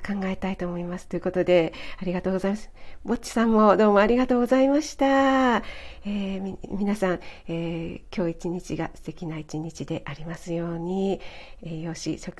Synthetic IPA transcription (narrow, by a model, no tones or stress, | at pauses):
kãŋɡae̞t̪ait̪o̞ːmo̞imasɨ̥t̪o̞jɯ̟ko̞t̪o̞d̪e̞aɾʲiɡat̪o̞ːɡzaimasbo̞t͡ɕːi̥sãmːo̞d̪o̞ːmo̞aɾʲiɡat̪o̞ːɡo̞zaimaɕi̥t̪a | eːmimʲinasãŋeːkʲo̞ːit͡ɕiɲ̟it͡ɕiɡa̰sɨ̥t̪e̞kʲinait͡ɕiɲ̟it͡ɕid̪e̞ʔaɾʲimasɨjo̞ːɲ̟iejo̞ːɕḭɕo̞k